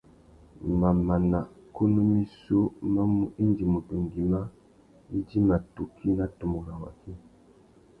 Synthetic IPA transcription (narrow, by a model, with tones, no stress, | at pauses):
ma˨ma˨na˨ | ko˦no˦mi˦so˦ma˦mu˦i˦ndi˨mo˨to˨ŋɡi˨ma˦ | i˦di˦ma˨to˨kʰi˦na˦to˨mo˨ɾa˨wa̰˨ki˦